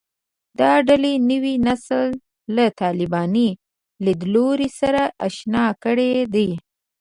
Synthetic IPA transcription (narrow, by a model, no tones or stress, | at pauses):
d̪̥ɑɖalenəwinaslː | at̪ɑlɪbɑni | lad̪loɾisaɾaʔaʃnɑkəɽed̪aj